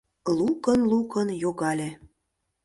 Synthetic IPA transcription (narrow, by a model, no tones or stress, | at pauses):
lukənlukənjoɣɑlʲe